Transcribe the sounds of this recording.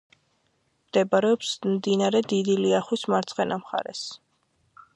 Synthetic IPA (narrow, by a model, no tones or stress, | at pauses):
md̪̥ɛbaɾɛɔpsmd̪inaɾɛd̪id̪iliaχwismaɾt̪sʰʼqɛnamχa̰ɾɛ̰s